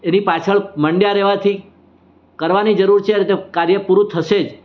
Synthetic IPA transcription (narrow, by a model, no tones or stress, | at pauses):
enipat͡ʃʰəɭməɳɖjaɾɛʋat̪ʰi | kəɾʋanid͡ʒəɾuɾt͡ʃʰeɾt̪ekaɾjəpuɾũt̪ʰəʃed͡ʒ